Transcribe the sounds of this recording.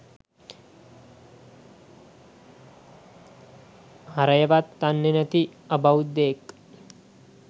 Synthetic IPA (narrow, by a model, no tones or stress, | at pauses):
hɐɾɐjɐʋat̪ːɐnːenɐt̪iɐbɐud̪eːkː